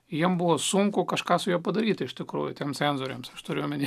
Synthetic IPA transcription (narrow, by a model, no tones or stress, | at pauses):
jiɛmbʊʋoːsuŋkʊkɐʃkɑːsʊjuːpɐd̪ɐɾʲiːt̪ʲɪɪʃʲt̪ʲɪkɾuːjʊt̪ʲɛmsʲæːnzoːɾʲeːmsɐʃt̪ʊɾʲɪːjʊmʲɪnʲe